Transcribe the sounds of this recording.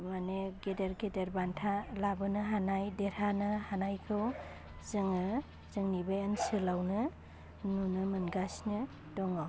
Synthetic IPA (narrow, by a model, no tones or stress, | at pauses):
maneɡedeɾɡedeɾbantʰalabɯnɯɦanajdeɾanɯhanajkʰɯw | z̥ɯŋɯ | zɯŋnibajansɯlawnɯ | nunɯmɯnɡasnɯ | dɔŋa